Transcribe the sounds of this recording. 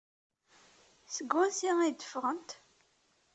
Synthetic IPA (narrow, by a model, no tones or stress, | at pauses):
səɡwæsiʁid̪ə̥fʁənt̪